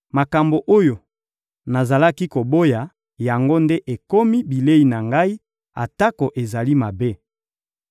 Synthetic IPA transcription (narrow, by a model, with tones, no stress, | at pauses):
ma˨ka˨mbo˨ʔo˦jo˨ | na˨za˨la˦ki˦ko˨bo˦ja˨ | ja˨ŋɡo˦nde˦ʔe˨ko˦mi˦bi˨le˦i˨na˨ŋɡa˦i˦ | a̰˨ta˦ko˨ʔe˨za˨li˦ma˨be˦